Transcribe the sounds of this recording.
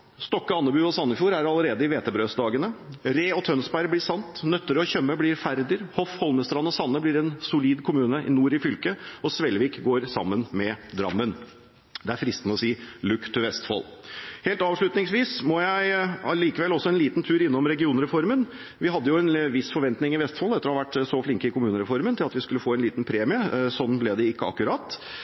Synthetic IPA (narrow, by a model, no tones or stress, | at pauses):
st̪ɔkːəɑnːəbʉːɔsɑnːəfjuːɾæɾɑlːəɾeːd̪əɪʋeːt̪əbɾøːsd̪ɑːɡənəɾeːɔt̪ʰœnsbæɪblɪːsɑnt̪nœt̪ːəɾəɔçœmːəblɪɾfæɾd̪ɪɾhɔfhɔlməst̪ɾɑnːəɔsɑnːəblɪɾɛnsʊliːd̪kʰʊmʉːnəʔɪ̰nuːɾɪfʏlkəɔsʋɛlʋiːkɡoːɾsɑ̰mːənmɛd̪ɾɑ̰mːən | d̪ɛæɾfɾɪst̪nəɔsiːlʉkt̪ʰːʏʋɛst̪fɔ̰lheːlt̪ɑːʋʂɭʉt̪nɪŋsʋiːsmɔjæɪɑliːkəʋɛlɔsːɔɛnliːt̪nt̪ʰʉːɾɪnːɔmɾɛɡɪuːnəɾɛfɔɾmən | ʋɪhɑd̪ːəjʊɛnʋɪsfɔɾʋɛnt̪nɪŋɪʋɛst̪fɔːlɛt̪əɾɔhɑʋæʈːsɔflɪŋkəɪkʰʊmʉːnəɾɛfɔɾmənt̪ɪlɑt̪ʋɪskʉlːəfoːɛnliːt̪npʰɾeːmɪəsɔnːblɛd̪ɛɪkːəɑ̰kːʉɾɑt̪ː